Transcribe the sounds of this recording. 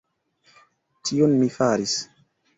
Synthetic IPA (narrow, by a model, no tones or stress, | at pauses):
tʰionmifaɾis